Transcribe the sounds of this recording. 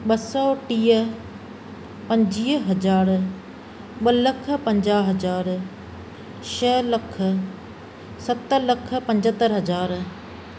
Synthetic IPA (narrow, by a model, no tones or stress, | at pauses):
ɓɐsɔːʈiːə | pɐ̃ɲd͡ʑiːɦɐzaːɾ | ɓɐlɐk̆ʰpɐ̃ɲd͡ʑaːɦɐd͡ʑaːɾ | ʃəːlɐkʰə̆ | sɐt̪əlɐk̆ʰpɐ̃ɲd͡ʑət̪əɾɦɐd͡ʑaːɾ